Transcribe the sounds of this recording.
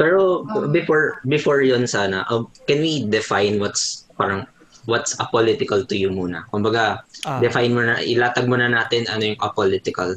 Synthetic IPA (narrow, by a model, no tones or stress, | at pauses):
pɛːɹobɪfoɹbɪfoɹjonsaːnɐʔɐkɛnwid̪ɛfajnwɐt̪spaːɾɐŋ | wɐt̪sʔɐpolɪt̪ɪkɐlt̪ʊjʊmuːnɐ̰kʊmbɐɡad̪ɛfajnmonɐʔɪ̰laːt̪ɐɡ̚monɐnaːt̪ɪnʔɐnojʊŋʔɐpolɪt̪ɪkɐ̰l